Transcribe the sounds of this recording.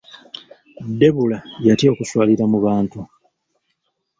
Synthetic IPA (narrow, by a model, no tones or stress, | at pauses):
de̞βulajatio̞ːkuswaːliɾamuβaːntu